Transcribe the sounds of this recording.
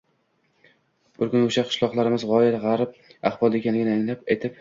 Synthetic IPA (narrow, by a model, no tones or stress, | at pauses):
b̥ɪɾkʊnoʃaqʰɨ̥ʃlˠɒqlˠaɾɪmɪzʁɒɪɾʁɑɾp̚aχbɒlˠekʲanlɪɡʲɪnaŋlap̚ejt̪ʰɪp̚